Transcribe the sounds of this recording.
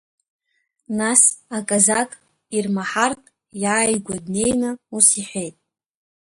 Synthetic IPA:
nasakʼazakʼ | irmaħartʼ | jaːjɡʷadne̞jnɨusiħʷejtʼ

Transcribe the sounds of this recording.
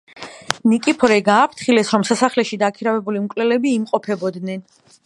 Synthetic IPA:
nikʼipʰɔɾɛɡaːpʰt̪ʰχilɛsɾɔmsasaχlɛʃid̪akʰiɾavɛbulimkʼlɛlɛbiːmqʼɔpʰɛbɔd̪nɛn

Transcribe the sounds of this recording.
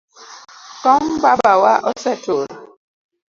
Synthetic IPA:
kɔmbabawaʔɔsɛtoɾ

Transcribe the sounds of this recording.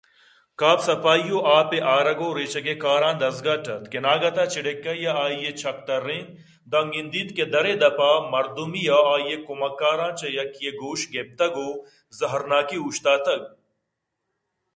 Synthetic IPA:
kaːpsɐpaːijoːʔaːpeʔaːɾɐɡoːɾeːt͡ʃɐɡekaːɾãːd̪ɐzɡaːʈɐt̪kenaːɡɐt̪aːt͡ʃiɽekːɐjaaːjet͡ʃʰɐk̚t̪ɐɾːẽː | d̪ɐŋɡind̪iːt̪ked̪ɐɾeːd̪ɐpaːmɐɾd̪umijaaːjekumɐkːaːɾãːt͡ʃɐjɐkijeɡoːʃɡep̚t̪ɐɡoː | zɐɦɐɾnaːkiuːʃt̪aːt̪ɐɡ̚

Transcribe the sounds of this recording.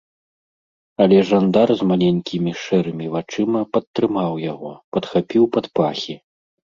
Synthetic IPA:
ɐlʲɛʐand̪arzmalʲɛnʲkʲimʲiʂɛɾɨmʲivat͡ʂɨmɐpɐt̪ːɾɨmawjaɣɔpɐt̪xapʲiwpɐt̪pa̰xʲi

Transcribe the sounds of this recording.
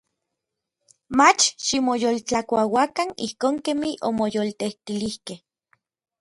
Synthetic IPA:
mat͡ʃʃimojoːlt͡ɬakʷawakanḭhkoːŋkemiʔo̰mojoːlt̪eht̪ilihkeh

